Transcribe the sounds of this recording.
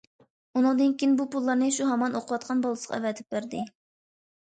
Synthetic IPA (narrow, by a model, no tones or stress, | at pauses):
unɨŋd̪ɨnkʲiinbupulˠːɑɾnɨʃuɦɑmɑnoqʰəwɑt̪̚qʰɑnbolˠɨsə̥qɑæ̰vɛt̪ʰɪ̥p̚bæɾd̪ɪ